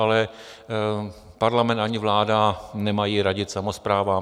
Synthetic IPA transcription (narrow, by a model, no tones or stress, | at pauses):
alɛ | paɾlamɛnt̪aɲɪvlaːdanɛmajiːɾaɟɪt̪samospɾaːva